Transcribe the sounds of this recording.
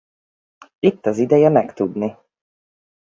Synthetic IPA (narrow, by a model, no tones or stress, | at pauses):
it̪ːɒzid̪ɛjɛmɛkt̪ud̪ni